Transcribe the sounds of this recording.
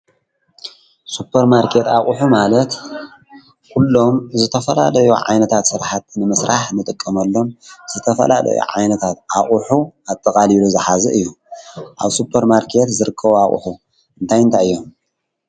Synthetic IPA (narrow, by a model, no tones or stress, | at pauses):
supʰːɐɾmaɾkʰe̞t̪aχʼuħumalɐt̪ | kʰulːo̞mzɨt̪ʰɐfɐla̰lɐjuʕa̰jnɐt̪ʰat̪sɨɾħat̪nɨmɨsɾʔaħnɨt̪ʼɨkʼːɐmɐlːo̞mz̥ɨt̪ʰɐfɐ̰la̰lɐ̰jṵʕa̰jnɐt̪ʰat̪ʔaχʼuħuat̪ʼːɐkʼaliluzɨħazɐʔɨjːu | ʔaβsupʰːɐɾmaɾkʰe̞t̪zɨɾɨkʰːɐβuaχʼṵħu | ɨnt̪ʰajɨnt̪ʰaɨjːo̞m